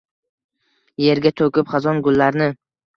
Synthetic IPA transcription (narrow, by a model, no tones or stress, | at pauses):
je̞ɾɡʲat̪ʰɵkʲɪpχɑzɒnɡʊlːaɾnɪ